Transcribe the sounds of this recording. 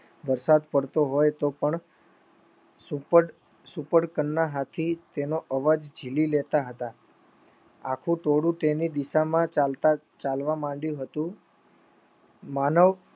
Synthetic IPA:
ʋəɾsad̪pəɽt̪oɦojt̪opəɳ | supəɽ | supəɽkənːaɦat̪ʰit̪enoʔəʋad͡ʒd͡ʒʱililet̪aɦət̪a | a̰kʰũʈoɽũʈenid̪iʃamãalt̪a | t͡ʃalʋãmãɳɖjũɦət̪ũ | manəʋ

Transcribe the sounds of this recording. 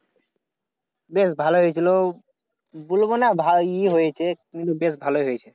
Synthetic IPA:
besbʱaloɦojet͡ɕʰilo | bolbonabʱaiɦojet͡ɕʰekint̪ubesbʱaloiɦojet͡ɕʰe

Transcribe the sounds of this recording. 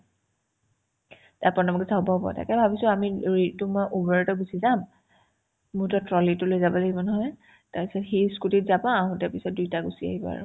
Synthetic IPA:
taɹpɔnɔmɔkɛsabɔɦbɔ̰ta̰kɛbʱabisʊamiɹitumɔʔubɔɹɛtɔɡusizam | mʊɹtɔtɹɔlitʊlojzabɔloɡimɔnɦɔj | taɹpisɔtxiskutitzabãaɦʊ̃taɹpisɔt̚dujtaɡusia̰ɦibɔa̰ɹʊ̰

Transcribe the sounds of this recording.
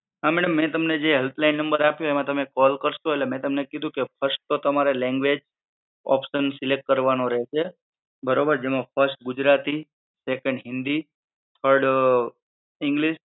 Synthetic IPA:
ɦamɛɽəmːɛ̃t̪əmned͡ʒeɦelt̪lainːəmbəɾapjõemãt̪əmekɔlkəɾʃoelemɛ̃t̪əmnekid̪ʱũkepʰəɾsʈ̚t̪ot̪əmaɾelɛ̃ŋɡʋed͡ʒ | ɔ̰pʃənsɪlek̚ʈ̚kəɾʋanoɾəɦet͡ʃʰe | bəɾobəɾd͡ʒemãpʰəɾsʈɡʊd͡ʒɾat̪i | sekə̃ɳɖɦɪnd̪i | t̪ʰəɾɖ | ɪŋɡliʃ

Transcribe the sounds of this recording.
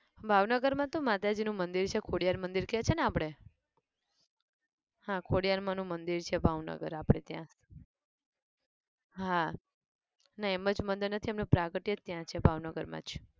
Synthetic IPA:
bʱaʋnəɡəɾmãt̪omat̪ad͡ʒinũmənd̪iɾt͡ʃʰekʰoɽijaɾmənd̪iɾket͡ʃʰeneapɽe | hãkʰoɽijaɾmãnũmənd̪iɾt͡ʃʰebʱaʋnə̰ɡə̰ɾapɽ̃et̪jã̰s | ɦã | naeməd͡ʒmənd̪əɾnət̪ʰiemnũpɾakəʈit̪ːjãt͡ʃʰebʱaʋnəɡəɾmã̰d͡ʒ

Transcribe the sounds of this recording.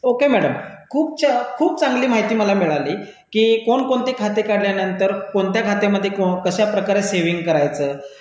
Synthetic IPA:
okemæɽəmkʰuːp̚t͡ɕkʰuːp̚t͡saŋɡliːmaɦit̪iːməlamiɭaliː | kiːkoɳkoɳt̪iːkʰat̪ekaɽljanənt̪əɾkoɳt̪jakʰat̪emːəd̪ʱːjekokəɕapɾəkaɾeseʋiŋɡ̚kəɾajt͡səː

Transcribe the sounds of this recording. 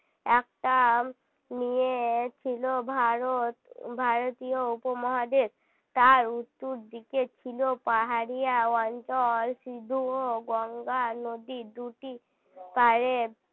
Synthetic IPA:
ɛk̚ʈa | miet͡ɕʰilobʱaɾot̪bʱaɾot̪ijoupomɔɦad̪es | t̪aɾut̪ːuɾd̪iket͡ɕʰilopaɦaɾijaɔnt͡ʃɔlsid̪ʱuoɡɔŋɡanod̪id̪uʈi | paɾe

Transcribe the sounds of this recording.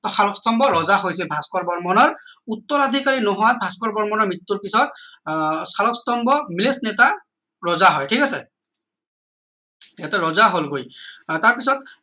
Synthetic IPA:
tɔsaɹɔkstɔmbɔɹɔzaɦojs̬ɛbʱaskɔɹbɔɹmɔnɔɹutːɔɹad̪ʱikaɹinɔɦʊwat̚bʱaskɔɹbɔɹmɔnɔɹmɹitːuɹpisɔt̚ | salɔkstɔmbɔmilesnɛta | ɹɔzaɦɔjtʰikasɛ | ɛtɛɹɔzaɦolɡojtaɹpisɔt

